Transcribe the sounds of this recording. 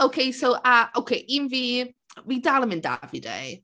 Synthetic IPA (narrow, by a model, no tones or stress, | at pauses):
owkʰejsowʔaʔowkʰeʔinviː | widalˠəmɪnda̰vidḛj